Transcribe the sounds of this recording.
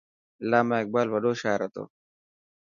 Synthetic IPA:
laːmaek̚ɡ͡baːlwɐɗoːʃaːɾɐt̪o̰

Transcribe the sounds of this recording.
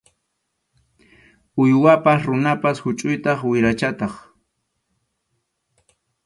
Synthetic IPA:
ʊjwapasɾʊnapashʊt͡ʃʼʊjt̪ɑχwɪɾat͡ʃat̪ɑχ

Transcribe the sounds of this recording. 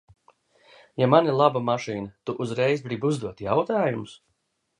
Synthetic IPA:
jamanilˠabamaʃiːnət̪uʔuzɾɛjzbɾibuzd̪uɔt̪jawt̪aːjumʊs

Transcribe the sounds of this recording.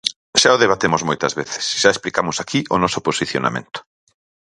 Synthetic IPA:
ʃaoðeβat̪emʊzmojt̪ɐzβeθɪ̥sʃaesplikamʊsakʰiʔʊnɔsʊposiθjo̰na̰mḛ̃nt̪ʊ̥

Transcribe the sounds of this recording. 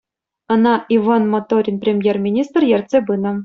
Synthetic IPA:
ɤ̆nɑʔivɑnmot̪oɾʲinpʲrʲemʲjermʲinʲist̪rjerʲt̪ʲsʲebɯnɤ̆

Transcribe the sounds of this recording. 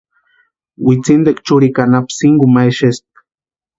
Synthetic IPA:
wit͡sind̪ekt͡ʃuɾikanapsiŋɡumajʃest̪̚

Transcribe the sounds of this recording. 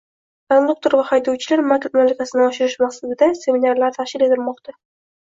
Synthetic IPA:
anod̪ukt̪oɾvahajd̪ɒwt͡ʃʰɪlaɾmakʲɾmalakʲasɪnɪɒʃɪɾɪʃmaqsad̪ɪd̪ase̞minaɾlaɾt̪ʰaʃkʲɪle̞t̪ʰɪlmɒqt̪ʰa

